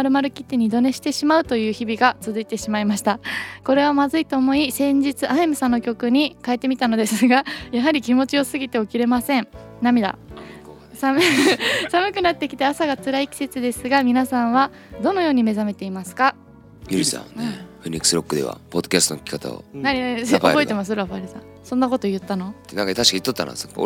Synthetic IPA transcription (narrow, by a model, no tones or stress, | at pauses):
aɾɯ̟maɾɯ̟kʲi̥t̪ːe̞ɲ̟id̪o̞ne̞ɕi̥t̪e̞ɕimaɯ̟t̪o̞jɯ̟ːçibʲiɡat͡sɨzɨit̪e̞ɕimaimaɕi̥t̪ako̞ɾe̞β̞amazɨit̪oːmo̞isẽ̞ɲ̟d͡ʑit͡sɨʔaemɯ̟sãnːo̞kʲo̞kɯ̟ɲ̟ikae̞t̪ːe̞mit̪ano̞d̪e̞sɨɡajaɦaɾʲikʲimo̞t͡ɕio̞sɨɡʲit̪e̞o̞kʲiɾe̞masẽ̞ɴ | namʲid̪a̰ | sa | samɯ̟kɯ̟nat̪ːekʲi̥t̪easaɡat͡sɨɾaikʲi̥se̞t͡sɨd̪e̞sɨɡamʲinasãɰ̃βa | d̪o̞no̞jo̞ːɲ̟ime̞zame̞t̪e̞imasɨ̥ka | joɾisã̰nẽɸɯ̟ɲʲikːɯ̥sɨɾo̞kːɯd̪e̞̰βa̰po̞d̪̥ːokʲast̪okʲi̥kat̪a̰o̰naɾʲinaisobo̞et̪e̞masɨɾaɸaɾʲisã̰ | sõ̞nːako̞t̪o̞jɯ̟t̪ːano̞t̪eãŋkat̪aɕi̥kait̪ːot̪ːa̰n̰s